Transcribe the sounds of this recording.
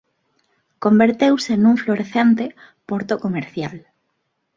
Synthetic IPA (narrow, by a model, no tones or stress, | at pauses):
kombeɾt̪ewsenũŋfloɾeθent̪e | poɾt̪okomeɾθja̰l